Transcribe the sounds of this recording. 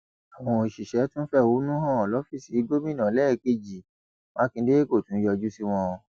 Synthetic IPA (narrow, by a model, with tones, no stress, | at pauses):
a˨w̃ɔ̃˧i˨ʃi˨ʃɛ˨˦tũ˦fɛ˦˨wo˨˦nũ˦ɦã˦ɔ˨lɔ˨˦fi˦˨si˨˦ɡo˦mĩ˦˨nã˨˦lɛː˦˨ke˦˨d͡ʒi˨ | mã˦kĩ˧˦de˦e˦ko˦˨tũ˨˦jɔ˧d͡ʒu˦si˦w̃ɔ̃˧o˧